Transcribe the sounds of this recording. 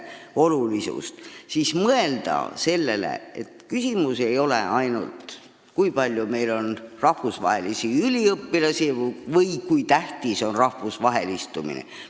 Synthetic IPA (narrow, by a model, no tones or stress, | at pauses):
o̞lulisṵst̪sismɤe̞ld̪̥ɑ̰se̞lːe̞̰lḛḛt̪kysʲimuse̞jo̞le̞̰ɑjnṵlt̪ | kujpɑlʲjume̞jlo̞nrɑhvusvɑ̰ɦe̞lisiylʲiɤpːilɑsivɤjkujt̪æht̪iso̞nrɑhvusvɑɦe̞list̪umḭnḛ